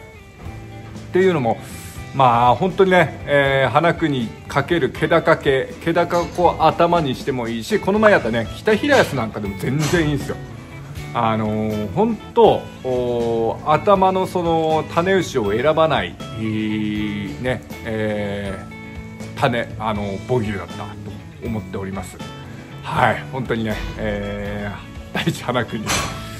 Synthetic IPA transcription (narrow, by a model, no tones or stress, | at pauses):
t̪e̞jɯ̟ːno̞mo̞maːhõ̞nt̪o̞ɲ̟ine̞ːɦanakɯ̟ɲ̟ikʰake̞ɾɯ̟kʰe̞d̪akake̞ke̞d̪akako̞ʔat̪amaɲ̟iɕi̥t̪e̞mo̞iːɕiko̞no̞maej̪at̪ːane̞kʲi̥t̪açiɾajasɨnãŋkad̪e̞mo̞zẽ̞nzẽ̞ɰ̃iːsɨjo̞̰ | ano̞hõ̞nt̪o̞ː | at̪amano̞so̞no̞t̪ʰane̞ɯ̟ɕio̞e̞ɾabanai | ne̞ | t̪ane̞ano̞bo̞ɡʲɯ̟ːd̪at̪ːa̰t̪o̞ː | mo̞t̪ːe̞o̞ɾʲimasɨ̥ | haihõ̞nt̪o̞ɲ̟ine̞e | d̪̥ait͡ɕi̥hanakɯ̟ɲe